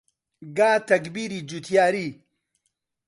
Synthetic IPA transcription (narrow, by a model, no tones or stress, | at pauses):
ɡaːt̪ɐkbiːɾiːd͡ʒut̪ʰjaːɾiː